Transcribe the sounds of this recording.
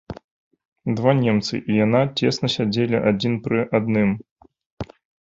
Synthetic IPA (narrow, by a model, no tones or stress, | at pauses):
d̪vanʲɛmt̪sɨ̰ʔijanat͡sʲeɛsnɐsʲad͡zʲelʲiʔad͡zʲinpɾɨʔad̪̚nɨm